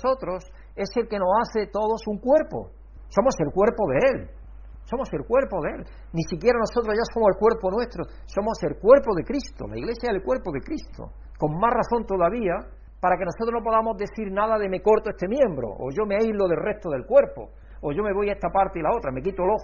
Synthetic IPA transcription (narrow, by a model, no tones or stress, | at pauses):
so̞t̪ɾo̞s | e̞se̞lke̞no̞saθet̪o̞ðo̞suŋkwe̞ɾpo̰ | so̞mo̞se̞lkwe̞ɾpo̞ðeel | so̞mo̞se̞lkwe̞ɾpoðeel | nisikje̞ɾano̞so̞t̪ɾoʝaso̞mosekwe̞ɾponwe̞st̪ɾo | so̞mose̞lkwe̞ɾpoðe̞kɾist̪o̰la̰iɣle̞sjaeelkwe̞ɾpoðe̞kɾist̪ʰo̰ | ko̞ŋmaraθõ̞nt̪o̞ðaβia | paɾake̞no̞sot̪ɾo̞nop̬o̞ðamo̞zðe̞θiɾnaðaðe̞me̞ko̞ɾt̪oest̪e̞mjẽ̞mbɾo̰ʔoʝo̞meajlo̞ðe̞lre̞ht̪oðe̞lkwe̞ɾpo̰ː | ʝo̞me̞βo̞jaest̪apaɾt̪eilao̞t̪ɾame̞kit̪olo̞x